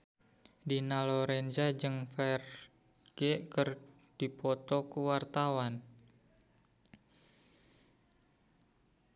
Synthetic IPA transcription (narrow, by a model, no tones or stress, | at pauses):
dinalɔɾɛnd͡ʒad͡ʒɨŋfɛr | ɡ̥eʔkər | d̥ipɔt̪ɔkuwart̪awan